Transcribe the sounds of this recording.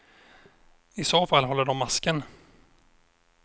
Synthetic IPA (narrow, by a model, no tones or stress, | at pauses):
ɪsoːfalːɦɔlːəɖɔmːaskən